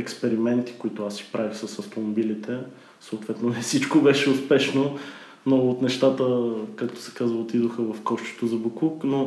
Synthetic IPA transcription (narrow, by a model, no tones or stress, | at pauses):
ɛkspɛɾimɛnt̪i̥koit̪ʊasi̥pɾavixsɐsɐft̪omobilit̪ɛ | soːt̪vɛt̪nonɛsit͡ʃkobɛʃɛʊspɛʃno | noot̪nɛʃt̪at̪əkak̚t̪o̥sɛ̥kazvəlˠot̪id̪oxəvɐfkɔʃt͡ʃ̪o̥t̪ozɐbukˠukno